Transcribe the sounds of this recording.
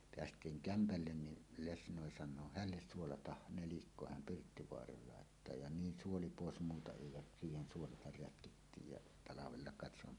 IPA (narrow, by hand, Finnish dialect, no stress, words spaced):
peæstˑiːŋ kæmpælːen ni lesnoˑi sɑnˑoː hælːes suolɑtɑh nelikːo hæm pirtːiʋoɑrɑːl lɑˑetːɑː jɑ niːn suoli poˑes muːtɑ eˑi jɑ siːhen suolɑtɑr rætkitːiːj jɑ tɑlɑʋelːɑ kɑˑet se om